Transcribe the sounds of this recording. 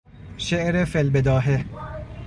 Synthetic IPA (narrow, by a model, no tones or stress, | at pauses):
ʃeʔɾefelbed̪ɒːɦe